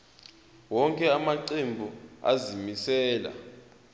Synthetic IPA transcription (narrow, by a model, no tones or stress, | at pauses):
wɔŋkʼɛamaǀembʱua̰zimisɛːla̰